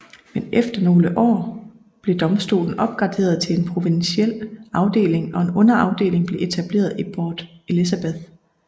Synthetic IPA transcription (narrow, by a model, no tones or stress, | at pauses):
menefd̥ɐno̝ːləʔɒ̰ː | b̥le̝d̥ɒ̽msd̥o̝̰ːln̩ɒ̽b̥̚ɡ̥ʁɑ̈d̥e̝̰ːɐð̞ˠt͡sʰe̝le̝npʰʁo̝ʋinsiel̰ɑ̈ʊd̥e̝̰ːle̝ŋɒ̽e̝nɔ̽nɐɑ̈ʊd̥e̝̰ːle̝ŋb̥le̝ʔe̝t͡sʰæb̥le̝̰ːɐðˠib̥ɒːd̥e̝lisæb̥eðˠ